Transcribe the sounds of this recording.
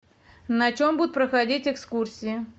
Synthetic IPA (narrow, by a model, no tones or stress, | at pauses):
nɐt͡ɕombud̪ʊt̪pɾəxɐdʲitʲɛkskursʲɪjɪ